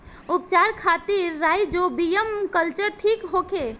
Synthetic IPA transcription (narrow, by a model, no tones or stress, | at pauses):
up̚t͡ʃaɾkʰat̪iɾːajd͡ʒobijəmkəlt͡ʃəɾʈʰikɦokʰe